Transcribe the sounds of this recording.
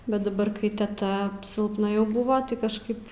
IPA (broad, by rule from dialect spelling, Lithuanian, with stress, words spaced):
bʲɛt dɐˈbɐr kɐɪ tʲɛˈtɐ sʲɪlˠpˈnɐ jɛʊ ˈbʊʋoː tɐɪ kɐʃˈkɐɪp